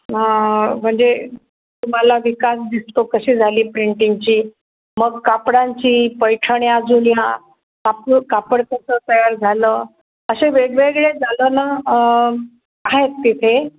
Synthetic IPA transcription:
ɦãm̤əɳd͡ze | t̪um̤alaʋikasd̪ist̪okəɕiːd͡zʱaliːpɾiɳʈiŋɡt͡ɕiː | məɡ̚kapɽãɲt͡ɕiːpəjʈʰəɳjad͡zunja | kapkapəɽkəsət̪əjaɾd͡zʱaləː | əɕeʋeɽʋeɡɭed͡zʱaləna | aɦet̪ːit̪ʰe

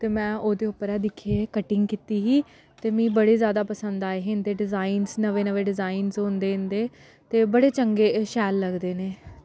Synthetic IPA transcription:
t̪eːmɛ̃ːʔoːd̪eːʊpːəɾɛːd̪ɪkʰːeːkəʈɪ̃ŋɡkɪt̪iːɦiː | t̪eːmĩːbəɽeːzjaːd̪aːpəsənd̪aːeːɦend̪eːɖɪzaːiːnznəʋeːnəʋeːɖɪzaːinzɦõːnd̪eːɦɪ̃nd̪eː | t̪eːbəɽeːt͡ʃəŋɡeːʃɛːlːəɡd̪eːneː

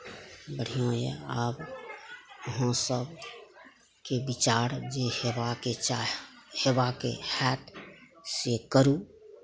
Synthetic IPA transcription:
bəɽ̤ijõjḛaːb | ɦə̃səb | kebɪt͡ʃaːɾd͡ʒehaket͡ʃahebakḛhɛːʈsekəɾũ

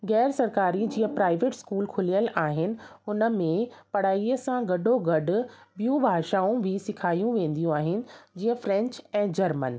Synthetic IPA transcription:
ɣɛːɾsɐɾkaːɾid͡ʑiːɦə̃pɾaːɪʋeːʈskuːlkʰʊlijəlʔaːɦɪnɪ̆ʊnə̆mẽpɐɽ̤aːiəsãɡɐɖʱoɡɐɖʊ̆bijũbʱaːʃaːũbʱɪsɪkʰaːijũʋẽːn̆d̪ijũaːɦɪnɪ̆d͡ʑiːə̃fɾɛ̃ɲt͡ɕɛ̃ːd͡ʑɐɾmə̰n

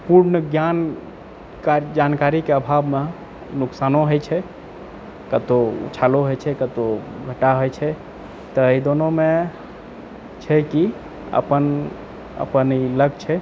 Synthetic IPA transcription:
puɾnəɡjan | kad͡ʒankaɾikeəbʱabme | nuksanoɦojt͡ʃʰɛ | kət̪oṵt͡ʃʰaloɦojt͡ʃʰɛkət̪oɡʱəʈaɦojt͡ʃʰɛ | t̪əəid̪onome | t͡ʃʰɛki | ə̰pən | ə̰pəniləɡt͡ʃʰɛ

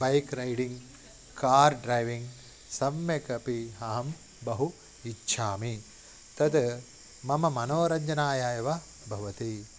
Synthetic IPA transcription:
bɐjkɾɐjɖiŋɡ | kaːɾɖɾɐjʋiŋɡ | sɐmjɐkɐpiɦɐɦɐm | bɐɦu | itːʃʰaːmi | t̪ɐd̪ | mɐmɐmɐnoːɾɐɲd͡ʒɐnaːjaːjɐʋɐ | bʱɐʋɐt̪i

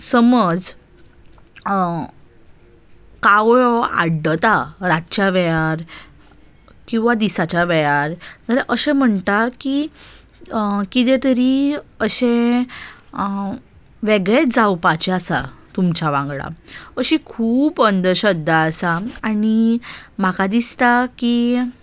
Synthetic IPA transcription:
səməd͡z | kawɭɔa̰ɽət̪aɾat̪t͡ɕaʋɛjaɾ | kĩw̃ʋad̪isat͡ɕaʋɛjaɾd͡zəɾeʔəɕẽm̤əɳt̪aki | kit̪ẽt̪əɾiəɕẽ | ʋeɡɭed͡zawpat͡ɕɛasat̪umt͡ɕaʋãŋɡɭa̰əɕikʰuːpənd̪əɕəd̪ːaːsaanim̤akad̪ist̪aki

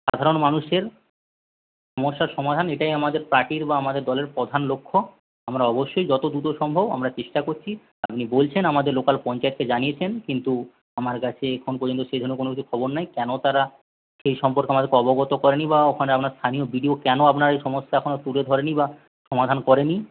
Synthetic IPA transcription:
ʃad̪ʱaɾonmanuʃeɾ | ʃʃɔmoʃːaɾʃɔmad̪ʱaneʈajamad̪eɾpɾaʈiɾbaamad̪eɾd̪ɔleɾpɾɔd̪ʱanlokʰːo | amɾaɔboʃːojd͡ʑɔt̪od̪ut̪oʃɔmbʱoba̰mɾat͡ɕeʃʈakoɾt͡ɕʰi | apnibolt͡ɕʰenamad̪eɾlokalpɔnt͡ɕaet̪̚ked͡ʑaniet͡ɕʰenkint̪u | amaɾkat͡ɕʰeɛkʰonp̬oɾd͡ʑont̪oʃejd̪ʱoɾnːokonokit͡ɕʰu̥kʰɔboɾnajkɛnot̪aɾa | ʃejʃɔmpoɾkeamad̪eɾkeɔboɡɔt̪okɔɾenibaokʰaneapnaɾst̪ʰaniobiɖiokɛnoapnaɾaejʃɔmoʃːaɛkʰonot̪uled̪ʱɔɾeniba | ʃɔmad̪ʱankɔɾeni

